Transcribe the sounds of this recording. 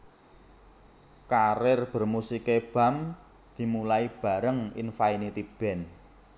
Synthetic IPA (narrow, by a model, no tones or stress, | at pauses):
kaɾɪrb̥ə̤rmusikeb̥a̤m | d̪̥i̤mulaib̥a̤ɾəŋɪ̰nfainit̪ib̥ɛ̤n